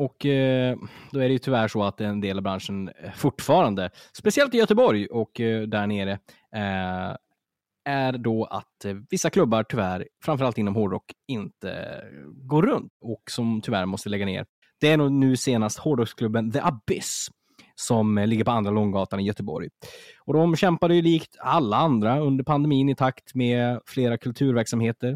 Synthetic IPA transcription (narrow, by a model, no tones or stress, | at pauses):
ɔk | d̪ɔæɖɛjɵt̪ʰʏvæʂɔat̪ɛnd̪eːlavbɾanʂənfʊʈːfɑːɾand̪əspɛsɪɛlt̪ɪjœt̪əbɔɾjʔɔkd̪æɳeːɾə | æɾɖɔa̰t̪vɪsːakʰlɵbːaɾʈʰʏvæɾfɾamfœɾalt̪ɪnːɔmɦɔɖɔkːɪnt̪ə̰ɡoːɾːɵnt̪ɔksɔmt̪ʰʏvæ̰ɾmɔst̪əlɛɡːanḛːɾ | d̪̥ɛænuːnʉ̟ːseːnast̪hɔɖɔkskʰlɵbːənðəʔabɪs | sɔmlɪɡːəɾpɔand̪ɾalɔŋɡɑːt̪anɪjœt̪əbɔ̰ɾjɔd̪ɔmɕɛmpad̪əjɵliːkt̪alːaand̪ɾaɵnd̪əɾpʰand̪ɛmiːnɪt̪ʰakt̪mefleːɾakʰɵlt̪ʰʉ̟ːɾvæɾksamheːt̪əɾ